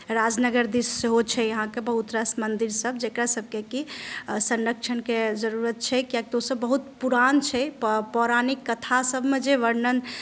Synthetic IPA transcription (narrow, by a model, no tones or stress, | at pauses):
ɾad͡ʒnəɡəɾd̪isːeɦot͡ʃʰɛəɦãkebəɦut̪ɾəsmənd̪iɾsəbd͡ʒekɾasəb̚ʱkekisənɾəkt͡ʃʰənked͡ʒəɾuɾət̪̚t͡ʃʰɛkjak̚t̪osəbːəɦut̪puɾant͡ʃʰɛpɔɾanikːət̪ʰasəbʱmed͡ʒeʋəɾnən